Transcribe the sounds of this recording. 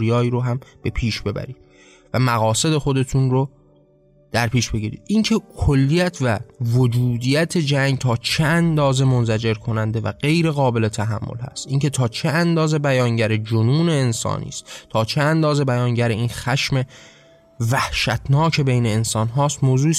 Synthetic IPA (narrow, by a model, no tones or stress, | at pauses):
ɾijɒːiːɾoɦæmb̥e̞pʰiːʃb̥e̞bæ̰ɾḭːd̪ | væmæɣɒːse̞d̪e̞xo̞d̪e̞t̪ʰunɾo | d̪̥æɾpʰiːʃb̥e̞ɡiːɾḭːd̪̥ʔincʰekʰolːijæt̪ʰvævod͡ʒuːd̪iːjæt̪ʰe̞d͡ʒæŋɡt̪ʰɒːt͡ʃʰeænd̪ɒːze̞mo̞nzæd͡ʒe̞ɾkʰo̞nænd̪e̞væ̰ɢe̞jɾe̞ɣɒːbe̞le̞t̪ʰæɦæ̰mːo̰lhæ̰st̪ʔiŋkʰe̞t̪ʰɒːt͡ʃʰeænd̪ɒːze̞bæjɒːŋɟæɾed͡ʒonuːne̞ːnsɒ̰ːnḭːst̪t̪ʰɒːt͡ʃʰeænd̪ɒːze̞bæjɒːŋɟæɾeiːnxæʃme̞ | væhʃæt̪ʰnɒːcʰe̞be̞jneːnsɒːnɦɒːst̪moːzuːiːs